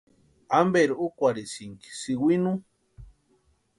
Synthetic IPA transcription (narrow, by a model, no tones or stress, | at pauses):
ambeɾuukʷaɾisiŋki̥siwinu